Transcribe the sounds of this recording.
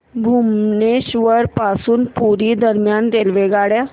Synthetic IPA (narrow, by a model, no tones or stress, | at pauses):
bʱuːmneːʃʋəɾpaːsunpuːɾiːd̪əɾmɪjaːnd̪eːlʋeːɡaːɽjaː